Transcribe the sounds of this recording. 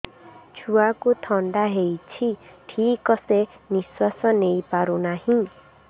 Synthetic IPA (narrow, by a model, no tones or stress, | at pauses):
t͡ʃʰuakut̪ʰɔɳɖaɦejt͡ʃʰiʈʰikɔseniswasɔnejpaɾunahĩ